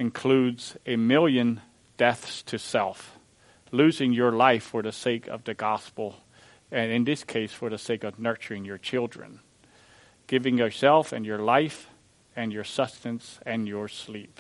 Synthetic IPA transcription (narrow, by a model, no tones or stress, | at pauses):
ɨ̃nkʰl̥ʉdzɨmɪlˠjɨ̃n | d̥ɛθstʰɨsɛlˠf | lʉzɪ̃ŋjə˞laɪfə˞ðɨseɪkʰʌ̰vðɨɡɑspl̩ˠ | ɨ̃nɨ̃nðɪskʰeɪsfə˞ðɨseɪkʌvnɜ˞t͡ʃə˞ɪ̃ŋjə˞t͡ʃʰɪlˠdɹɨ̰̃n | ɡ̥ɪvɪ̃ŋjə˞sɛlˠfɨ̰̃njə˞laɪf | ɨ̃njə˞sʌpstɨ̃nsɨ̃njə˞slip̚